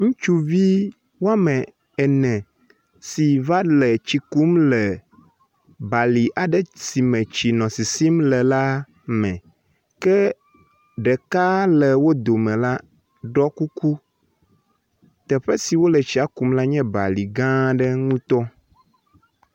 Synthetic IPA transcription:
ŋũ˦t͡ʃu˦vi˦ | wo˦a˦mɛ̃˨ | ɛ˨nɛ̃˨ | si˨va˦lɛ˨t͡ɕi˨ku˦mlɛ˨ | ba˨li˨ʔa˨ɖɛ˦si˨mɛ̃˨t͡ɕi˨nɔ̃˨si˨si˦mlɛ˨la˦ | mɛ̃˨ | kɛ˦ | ɖɛ˨ka˦lɛ˨wo˦d̪o˨mɛ̃˨la˦ | ɖɔ˦ku˦ku˦ | t̪ɛ˨ɸɛ˦si˨wo˦lɛ˨t͡ɕi˦a˦ku˦mla˦ɲɛ̃˦ba̰˨li˨ɡã˦ɖɛ˦ŋũ˦t̪ɔ˦

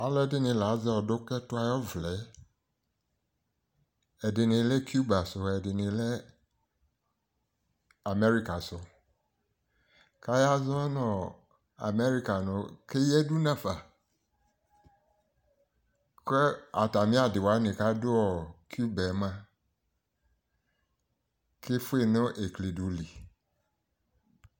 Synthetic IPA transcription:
a˨lɛ˦dɪ˦nĩ˨la˨˦zɛ˦ɔ˨do˦kɛ˦tʊ˦a˦jɔ˦vlɛ˨˦ | ɛ˨dɪ˨nĩ˨le˦ku˦ba˨so˨ɛ˨dɪ˨nĩ˨lɛ˦ | a˨me˦ɾi˦ka˨sɔ˨ | ka˦ja˦zɔ̃˦ɛ˦nɔ̃˨ | a̰˨me˦ɾi˦ka˨nʊ̃˨˦ke˦jɛ˦du˦nã˦˨fa˨ | ke˦a˨ta˨mĩ˦a˨dɪ˨wa˨˦nɪ̃˨ka˦dʊ˦ɔ˨ku˦bɛ˨˦mã˦ | ke˦fʊ˦e˦˨nʊ̃˦ʔe˨kle˨du˨li˨

